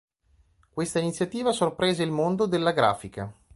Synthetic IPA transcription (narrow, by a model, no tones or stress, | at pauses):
kwest̪ainit̪sːjat̪iːvasorpɾɛːzeilmond̪od̪elːaɡɾa̰ːfika